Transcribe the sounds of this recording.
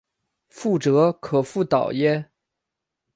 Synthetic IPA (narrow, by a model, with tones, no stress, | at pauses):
fu˥˩ʈ͡ʂɤ˧˥kʰɤ˨˩fu˥˩t̪ɑ˨˩ʊjɛ˥